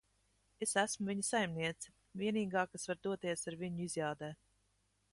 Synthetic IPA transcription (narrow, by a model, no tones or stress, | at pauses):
esæsmʊvʲiɲisajmniɛt̪si̥ | vʲiɛniːɡɑːkasvaɾd̪uɔt̪iɛsaɾvʲiɲuizjaːd̪ɛːt̪